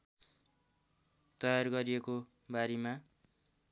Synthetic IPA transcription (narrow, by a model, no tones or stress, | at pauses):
t̪ʌjarɡʌɾieko | baɾema